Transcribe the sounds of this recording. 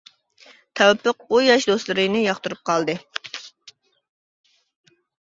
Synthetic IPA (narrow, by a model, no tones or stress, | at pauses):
t̪ʰɛwpʰːəq̚ujɑʃd̪oslˠɨɾɨnɨjɑχt̪uɾup̚qʰɑlˠd̪ɨ